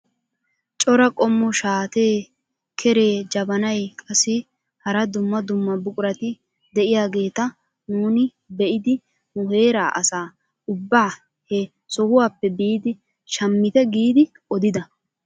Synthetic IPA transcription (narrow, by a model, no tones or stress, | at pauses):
t͡ʃʼɔɾɐkʼɔmːɔʃaːt̪e̞ː | kʰɛɾe̞ːd͡ʒɐbɐnɐjkʼɐsɪ | hɐɾɐd̪ʊmːɐd̪ʊmːɐbʊkʼʊɾɐt̪ɪ | d̪ɛʔɪjaːɡe̞ːt̪ɐ | nuːnɪ | bɛʔɪd̪ɪ | nʊhe̞ːɾaːʔɐsaː | ʊbːaː | hɛ | sɔhʊwaːpːɛbiːd̪ɪ | ʃɐmːɪt̪ɛɡiːd̪ɪ | ɔd̪ɪd̪ɐ